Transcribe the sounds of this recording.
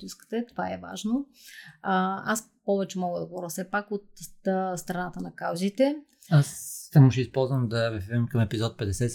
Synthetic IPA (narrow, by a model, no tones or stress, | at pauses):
uskə̥t̪ɛt̪ovaɛva̰ʒno | aspɔvɛt͡ʃɛmɔɡəd̪ɐɡovɔɾʲəfsɛpakot̪st̪ɾɐnat̪ənɐkawzit̪ɛ | asːamuʃɛispɔlˠzvəmd̪ɐvɛpɛvɛmkɐmɛpizɔt̪̚pɛd̪ɛsɛ